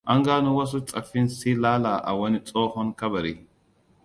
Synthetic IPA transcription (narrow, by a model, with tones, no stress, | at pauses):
a˦ŋɡaː˦nu˦wɐ˦s̬u˦t͡sʼɐ˨fi˦nsi˦laː˦la˨ʔa̰˨wɐ˦ni˦t͡sʼo˦hɔ˦nkɐ˦bɐ˨ɾi˨